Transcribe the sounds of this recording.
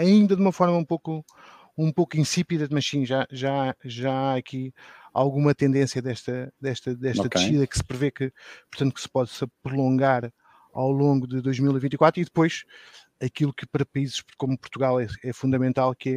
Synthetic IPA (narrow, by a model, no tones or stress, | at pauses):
ɐĩnd̪ɐðumɐfɔɾmɐũpoku | ũpokĩsipiðɐðmɐʃĩʒaʒaaʒaaɐkia̰lˠɣumɐt̪ẽnd̪ẽsjɐðɛʃt̪ɐd̪ɛʃt̪ɐd̪ɛʃt̪ɐt̪ʃiðɐkɨ̥sɨ̥pɾɨvekɨpuɾt̪ɐ̃nt̪uksɨ̥pɔðsɐpɾulˠõŋɡaɾ | a̰wlˠõŋɡuðɨðojʒmilˠivĩt̪ikwat̪ɾiðɨpojʃ | ɐkilˠukɨpɐɾɐpɐizʃkomupuɾt̪uɣalˠɛɛfũnd̪ɐmẽnt̪alˠkɛ